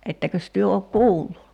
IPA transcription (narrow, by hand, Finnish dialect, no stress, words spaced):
etːækøs tyø ok kuːlːu